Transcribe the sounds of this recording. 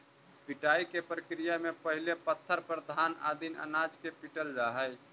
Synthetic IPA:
piʈaikepɾəkɾijamepəɦilepət̪ʰːəɾpɾəd̪ʱana̰d̪inə̰nad͡ʒkepiʈəld͡ʒaɦəj

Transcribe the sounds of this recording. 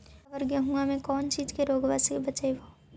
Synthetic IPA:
ʋəɾɡjaɦũamẽkɔːnt͡ʃiːd͡ʒkeɾoːɡʋaːsibɐt͡ʃeʋoː

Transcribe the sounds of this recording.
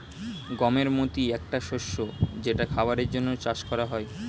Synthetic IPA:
ɡɔmeɾmot̪iɛk̚ʈaʃoʃːod͡ʑeʈakʰabaɾeɾd͡ʑonːot͡ɕaʃkɔɾaɦɔe

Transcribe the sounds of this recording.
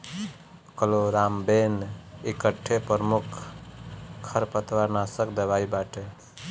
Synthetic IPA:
kəloɾambenikəʈʰːepəɾmukʰ | kʰːəɾpət̪ʋaɾnasəkd̪eʋaibaʈe

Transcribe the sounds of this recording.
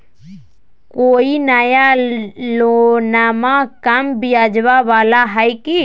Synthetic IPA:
koːinəjalonaːmãkəmbijaːd͡ʒʋaʋaːlaɦɛjki

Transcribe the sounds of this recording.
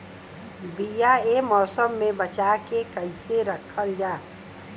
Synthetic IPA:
bijaemɔːsəmːẽbɐt͡ʃakekɐɪseɾɐkʰəld͡ʒaː

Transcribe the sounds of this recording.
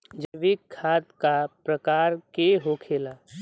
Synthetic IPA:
d͡ʒəʋikʰːaːt̪̚kapɾɐkaːɾkeɦokʰeːlaː

